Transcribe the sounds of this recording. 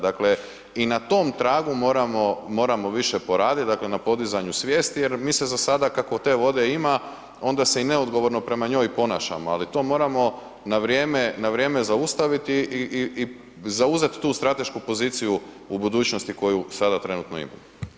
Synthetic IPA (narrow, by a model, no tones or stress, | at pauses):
d̪akle̞ | inat̪o̞ːmt̪ɾaːɡumo̞ːɾamomo̞ːɾamo̞ʋiʃepo̞ɾaːd̪it̪̚d̪akle̞napo̞d̪izaɲusʋje̞ːst̪ijeɾmiːsezasad̪akako̞t̪e̞ːʋo̞d̪e̞ima | o̞nd̪ase̞ineod̪ɡo̞ʋo̞ɾno̞pɾe̞maɲo̞ːjpo̞na̰ːʃa̰moa̰lit̪o̞ːmo̞ːɾamo̞ | naʋɾjeːme̞naʋɾje̞ːme̞zaust̪aʋit̪iʔiʔii | zauzet̪i̥t̪uːst̪ɾat̪e̞ʃkupo̞ziːt̪siju | ubud̪uːt͡ɕno̞st̪iko̞jusad̪at̪ɾe̞nut̪no̞ḭma̰mo